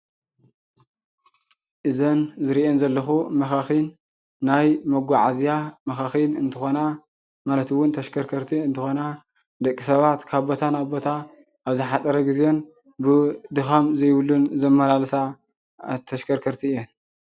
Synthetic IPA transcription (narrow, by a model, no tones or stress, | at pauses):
ʔɨzɐnzɨɾiʔenzɐlːɐxumɐxaxinː | ajmɐɡʷaʕazijamɐxaxinɨnt̪ʰɨxo̞na | malɐt̪ɨwʊnt̪ʰɐʃkʰɐɾkʰɐɾt̪ʰiɨnt̪ʰɨxo̞na | d̪ɐkʼːisɐβat̪kʰaβbo̞t̪ʰanaβbo̞t̪ʰa | aβzɨħat̪ʼɐɾɐɡizjen | bɨd̪ɨxamzɐjβɨlunzɐmɐlalsa | t̪ʰɐʃkʰɐɾkʰɐɾt̪ʰiɨjen